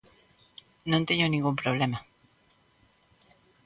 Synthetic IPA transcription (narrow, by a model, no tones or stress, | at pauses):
nõnt̪eɲonĩŋɡumpɾoβ̞lema